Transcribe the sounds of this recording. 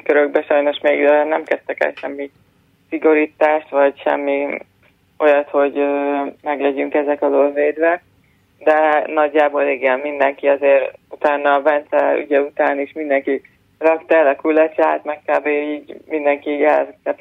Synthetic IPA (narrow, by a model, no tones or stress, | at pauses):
køɾøɡbɛʃɒjno̞ʃmeːɡøːnɛmkɛst̪ɛkɛ̰lʃɛmːi | siɡo̞ɾiːt̪aːʃt̪ʋɒɟʃɛ̰mːi | o̞jɒt̪ho̞ɟøːmɛɡlɛɟyŋkɛzɛkɒzolveːd̪vɛ | d̪ɛnɒɟːaːbo̞liɡɛmmind̪ɛŋkiɒzeːɾut̪aːnːɒːvɛnt̪sɛy̰ɟɛut̪aːniʃmind̪ɛŋki | rɒkt̪ɒɛlɒkulɛt͡ʃa̰ːt̪mɛkkaːbeːiːɟmind̪ɛŋkiːɟɛlkɛt̪